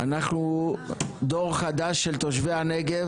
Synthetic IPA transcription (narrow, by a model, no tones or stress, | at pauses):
ʔanaχnu | d̪oʁχad̪aʃːelt̪oʃ̬veaneɡev